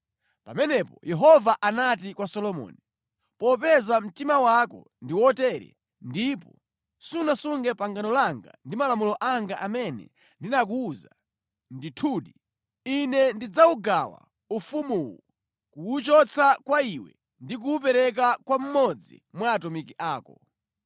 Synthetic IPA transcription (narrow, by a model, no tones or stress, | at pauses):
pamɛnɛpɔjɛɦɔvaʔanat̬ikwasɔlɔmɔ̰ːni | pɔpɛzam̩timawakɔ̰ | ndiwɔtɛɾɛ̰ | ndipɔ | sunasuŋɡɛpaŋɡanɔlaŋɡa̰ndimalamulɔʔaŋɡaʔamɛnɛ̰ | ndinak̬uːza | nditʰuːɗi | inɛndid͡zauɡawa̰ | ufumuw | kuut͡ʃɔt͡sʰakwaiwɛ̰ | ndik̬uːp̬ɛɾɛk̬akwam̩mɔd͡zḭmwaːtɔmikiʔaːkɔ